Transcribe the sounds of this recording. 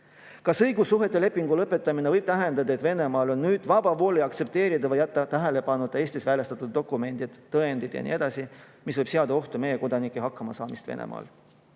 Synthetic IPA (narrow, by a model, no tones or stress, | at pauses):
kɑsɤjɡusːuɦe̞t̪ːˑe̞le̞pːˑiŋɡ̥ulɤpːˑe̞t̪ˑːɑminevɤjb̥̚t̪æɦe̞nd̪ɑd̪ɑet̪ve̞ne̞mɑːlo̞nːyːd̪̥vɑbɑvo̞ːliɑkt̪se̞p̚t̪e̞ːɾid̪̥ɑvɑjæt̪ːˑɑt̪æɦele̞pɑnːud̪̥ˑɑe̞ːst̪isvælest̪ɑt̪ud̪̥̚ːo̞kːˑume̞nʲd̪̥id̪̥t̪ːɤe̞nd̪̥id̪̥jɑ̰nḭe̞d̪̥ɑsi | misvɤjb̥seɑd̪ɑo̞ht̪ume̞je̞ko̞d̪̥ɑnikːˑeɦɑkːˑɑmɑsɑːmist̪ve̞̰nḛmʔɑ̰ːl